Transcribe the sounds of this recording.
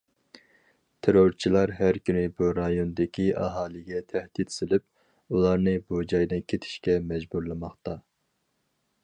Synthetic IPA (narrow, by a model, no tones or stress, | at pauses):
t̪ʰeɾoɾt͡ʃʰilˠɑɾɦæɾkʲynɪbuɾɑjond̪ɪkʲiʔɑ̰ɦɑːlˠɨɡʲɛt̪ʰæhd̪̥it̪sɪlɪp̚ | ulˠɑɾnɨbud͡ʒɑjd̪ɨnkʲʰet̪ʰɪ̥ʃkʲɛmɛd͡ʒbuɾlˠɨmɑχt̪ɑ